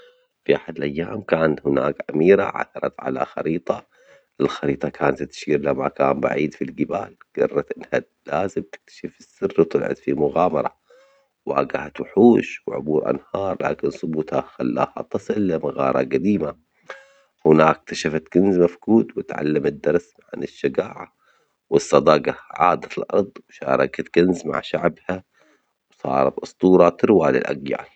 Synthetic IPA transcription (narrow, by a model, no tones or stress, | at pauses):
fiʔaħad̪lʔajːaːmkaːnt̪hɪnaːkʕamiːɾa̰ʕa̰θɑɾˤɑ̰t̪ʕa̰la̰xɑ̰ɾiːt̪ˤɑ | ʔɪlxɑɾiːt̪ˤɑkʰaːnzt̪ʃiːɾlamːakaːmba̰ʕiːd̪filɡɪbaːlɡ̥ɑ̰rˤːɑt̪ʔɪnːha | laːzɪmt̪ɪ̥k̚t̪ḁʃɪfɪsːɪrːwt̪ʊlʕa̰d̪fimʊɣaːmɑɾˤɑ | wʔa̰ːɡahat̪waħuːʃwʕʊ̰buːɾʔa̰nhɑːɾˤla̰ːkɪnsˤʊbuːt̪haxalːa̰ːha̰t̪ˤɑsˤɨlːamaɣɑ̰ːɾˤɑ̰ɡad̪iːma | hɪnaːkt̪aʃafat̪ɡ̥anzmafkuːt̪wɪt̪ʕa̰lːamɪd̪ːɑɾˤs | ʕa̰nɪʃːɪɡaːʕa̰ | wɨsˤːɑd̪ˤɑːɡaʕaːd̪at̪ɪlʔɑɾˤd̪ˤwʃaːɾˤɑkat̪ɡ̥anzma̰ʕʃaʕbha | sˤɑ̰ːɾˤɑt̪ʔɑsˤt̪ˤuːɾˤɑt̪ɨɾwaːlɪ̰lʔaɡja̰ʕa